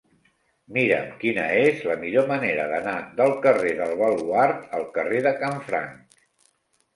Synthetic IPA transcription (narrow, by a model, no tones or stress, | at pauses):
miɾə̰mkinə̰ezləmiʎoməneɾəðənaðəlˠkəreðəlˠβəlˠuaɾt̪əlˠkəreðəkaɱfɾa̰ŋk